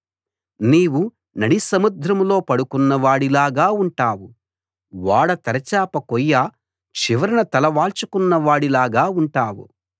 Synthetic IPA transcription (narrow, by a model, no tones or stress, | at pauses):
niːwu | nɐɽisɐmud̪ɾɐmlo̞ːpɐɽukunːɐʋaːɽilaːɡaːuɳʈaːwu | ʋaːɽɐt̪ɐɾɐt͡ʃaːpɐkɔjːaː | t͡ʃiʋɐɾɐnɐt̪ɐlɐʋaːɭt͡ʃukunːɐʋaːɽilaːɡaːuɳʈaːwṵ